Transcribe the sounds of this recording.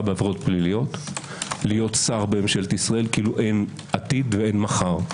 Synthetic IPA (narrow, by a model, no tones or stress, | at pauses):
beavʁo̞t̪̚plilijo̞t̪ | lijo̞t̪saʁbeemʃelet̪isʁae̞lkiiːluʔe̞n | ʔat̪id̪veenmaχaʁ